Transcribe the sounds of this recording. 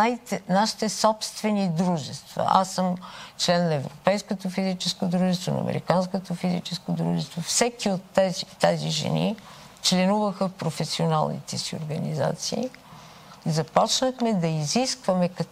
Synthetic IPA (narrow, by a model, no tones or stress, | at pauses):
ait̪ɛnaʃi̥t̪ɛsɔpst̪vɛnid̪ɾuʒɛst̪vɐ̰ʔa̰səmt͡ʃlɛnːɐɛvɾopɛjskot̪ofizit͡ʃɛskod̪ɾuʒɛst̪vonɐ̰ːmɛ̰ɾḭkanskot̪ofizit͡ʃɛskod̪ɾṵʒɛst̪vofsɛkiot̪ːɛzit̪ːɛziʒɛ̰nḭ | t͡ʃlɛnuvəxəpɾofɛsiona̰lˠnḭt̪ɛsio̰ɾɡəniza̰t̪siː | izɐpɔt͡ʃnəxmɛd̪ɐiziskvɐmɛkɐ